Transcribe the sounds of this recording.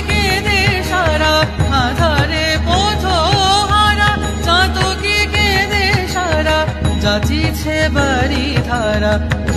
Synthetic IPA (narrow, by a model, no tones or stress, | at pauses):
keneʃaɾaɦãd̪ʱaɾepot̪ʰoɦaɾa | t͡ʃãt̪okiked̪eʃaɾad͡ʒat͡ʃit͡ʃʰebɐɾit̪ʰaɾa